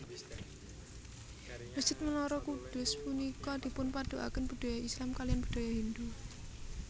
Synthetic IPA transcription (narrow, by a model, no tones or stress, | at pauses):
məsd͡ʒ̥ɪt̪̚məlɔɾɔkud̪̥ʊ̤spunikɔd̪̥i̤pʊnpad̪̥oʔa̰kənb̥ṳd̪̥ajaʔislamkalijanb̥ə̥d̥a̤jaɦind̪u